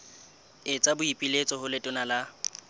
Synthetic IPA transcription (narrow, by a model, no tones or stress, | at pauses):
ɪt͡sʼabʊipʼilet͡sʼɔhʊlɪtʼʊnala